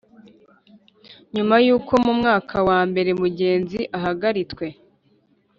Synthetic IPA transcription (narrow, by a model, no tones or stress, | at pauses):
ɲumajuːkʰo̞mumŋaːkʰawaːmbe̞ɾemuɟe̞ːnziʔaɦaɡaɾit͡swe̞